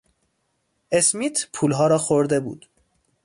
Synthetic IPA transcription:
ʔe̞smiːt̪ʰpʰuːlɦɒːɾɒːxoɾd̪e̞bṵːd̪̥

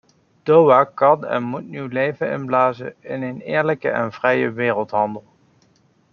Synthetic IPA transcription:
d̥owaːkɑnɛ̰nmutnywlejvənɪ̰nblaːzə̰ɪnenɪːɹləkə̰ʔɛ̰nvrɛjəʋɪːrəlˠtɦɑndəlˠ

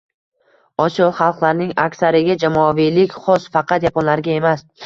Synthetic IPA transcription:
ɒsjɒlˠχɑlˠqlˠaɾnɪŋakʲsaɾɪɡʲad͡ʒamɒvijlɪkʲχɒsfɑqʰɑt̪japɒnlaɾɡʲae̞mas

